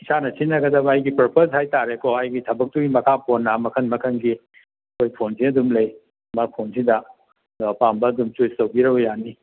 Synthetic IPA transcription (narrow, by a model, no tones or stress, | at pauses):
isanɐsinːɐɡɐdɐβɐːjɡipɐɾposhajtaɾekoɐjɡitʰɐbɐk̚tuɡimɐkʰapʰonːamɐkʰɐnmɐkʰɐnɡi | ɐkʰojpʰonsiɐdumlɐj | mapʰonsidɐ | ɐpambɐːdumt͡ʃujstɐwɡiɾɐbɐjani